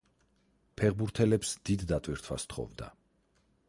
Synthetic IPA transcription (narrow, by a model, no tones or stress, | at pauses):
pʰɛʁbuɾt̪ʰɛlɛpsd̪̥id̪ːat̪ʼwiɾt̪ʰwa̰st̪ʰχɔ̰vd̪a̰